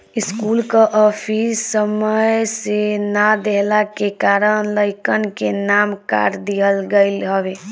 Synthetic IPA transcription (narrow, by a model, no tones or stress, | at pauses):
iskulkəʔɔpʰissːəməjsenad̪eɦlakekaɾənləɪkənkenamka̰ɾd̪ijəlɡəɪlɦəbe